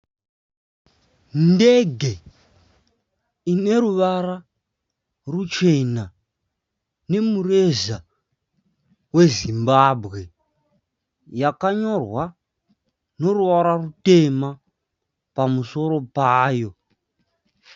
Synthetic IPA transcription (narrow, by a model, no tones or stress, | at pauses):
ndeɡʱe̞ | ine̞ɾuʋara | rut͡ʃe̞na | ne̞mureza | we̞zimbabʱɣe̞ | jakaɲo̞rwa | no̞ruʋaɾarute̞ma | pamuso̞ɾo̞paːjo̞